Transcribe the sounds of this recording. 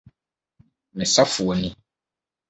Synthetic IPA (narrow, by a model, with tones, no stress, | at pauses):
mɛ̃˨sa˦fu˨ɔ˨nĩ˦